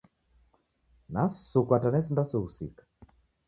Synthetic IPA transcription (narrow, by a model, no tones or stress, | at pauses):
nasukwatanɛsindasuusḭkḁ